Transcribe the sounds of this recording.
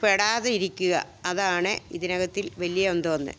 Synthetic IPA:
peɽaːðɐiɾikʲːuɣɐ̰ | ɐðaːɳɨiðinɐɣɐt̪ːilʋɐlijɐond̪ɨʋɐnːɨ̰

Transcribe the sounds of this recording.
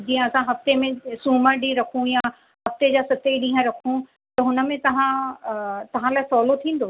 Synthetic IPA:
d͡ʑĩːə̃ɐsãɦɐft̪emẽsuːməɾɖiɾɐkʰũja | hɐft̪ed͡ʑasɐt̪eɗĩːɦə̃ɾɐkʰũ | t̪ɐɦʊnə̆mẽt̪ɐʋ̤ã | t̪ɐʋ̤ãlaːɪsɔːlot̪ʰĩːn̆d̪oː

